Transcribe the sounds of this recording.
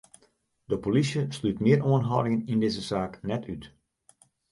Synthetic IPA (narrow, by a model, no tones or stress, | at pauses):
dəpolisjəslytmɪəoənɦɔ̰wdɪŋənindɪzəsaːknɛtyt